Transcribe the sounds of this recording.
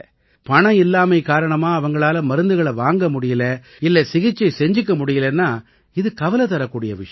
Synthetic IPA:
pɐɳɐɪlːaːmɐɪkaːɾɐɳɐmaːɐʋɐŋɡɐɭaːlɐmɐɾɯnd̪ɯɣɐɭɐʋaːŋɡɐmʊɽɪjɪlɐ | ɪlːɛsɪɣɪt͡ʃːɐɪsɛɲd͡ʒɯk̬ːɐmʊɽɪjɪlɐnːaː | ɪðɯkɐʋɐlɐt̪ɐɾɐkːuːɽɪjɐʋɪʂɐ

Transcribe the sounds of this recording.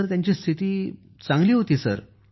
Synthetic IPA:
əɾt̪jaɲt͡ɕiːst̪ʰit̪iː | t͡sãŋɡliːɦot̪iːsəɾ

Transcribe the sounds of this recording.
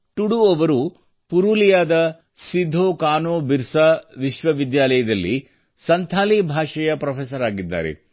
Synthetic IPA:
ʈuɽuɔʋɐɾu | puɾulijaːd̪ɐ | sid̪ʱːoːkaːnoːbiɾsɐʋiʃʋɐʋid̪jaːlɐjɐd̪ɐlːḭ | sɐnt̪ʰaːlibʱaːʂɐjɐpɾɐpʰeːsɐɾaːɡid̪ːa̰ːɾḛ

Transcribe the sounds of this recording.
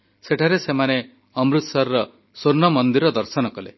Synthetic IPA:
seʈʰaɾesemane | ɔmɾut̪saɾɾɔ | soɾnɔmɔnd̪iɾɔd̪ɔɾsɔnɔkɔlḛ

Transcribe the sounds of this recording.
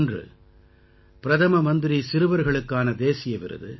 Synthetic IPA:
ndrɯ̰ | pɪɾɐðɐmɐmɐnd̪ɪɾisɪɾɯʋɐɾɣɐɭɯkːaːnɐd̪eːsɪjɐʋɪ̰ɾɯ̰ðɯ̰

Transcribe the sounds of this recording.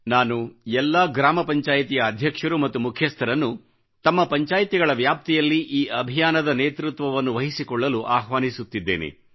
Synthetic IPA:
naːnuɛlːaɡɾaːmɐpɐɲt͡ʃaːjit̪ijɐːd̪ʱjɐkʂɐɾumɐt̪ːumukʰjɐst̪ʰɐɾɐnːu | t̪ɐmːɐpɐɲt͡ʃaːjt̪iɡɐɭɐʋjaːp̚t̪ɛjɐlːiʔiːʔɐbʱijaːnɐd̪ɐneːt̪ɾut̪ʋɐʋɐnːuʋɐɦisikɔɭːɐluʔaːɦʋaːnisut̪ːid̪ːe̞̰ːnḛ

